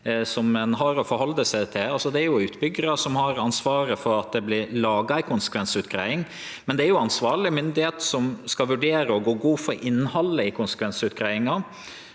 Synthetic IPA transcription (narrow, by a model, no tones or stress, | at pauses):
sɔmɛnɦɑɾɔfɔɾhɔld̪əsæɪt̪ʰɪlɑlsɔd̪ɛæɾjʊʉːt̪bʏɡəɾɑsɔmhɑɾɑnsʋɑːɾəfɔɾɑt̪̚d̪ɛblɪɾlɑːɡɑɪkʰʊnsə̥kʰʋɛnsʉːt̪̚ɡ̥ɾæ̰ɪɪŋ | mɛnd̪ɛæɾjʊɑnsʋɑːɭɪmʏnd̪ɪheːt̪sɔmskɑlʋʉɖeːɾəɔɡoːɡuːfɔɾʔɪnːhɑlːəɪkʰʊnsə̥kʰʋɛnsʉt̪ɡɾæɪɪŋɑ